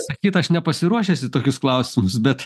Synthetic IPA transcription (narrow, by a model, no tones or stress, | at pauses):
sɐkʲiːt̪ɐʃnʲɛpɐsʲɪɾuɔʃʲɛsʲɪt̪oːkʲʊsklˠɐʊsʲɪmʊsbʲɛt̪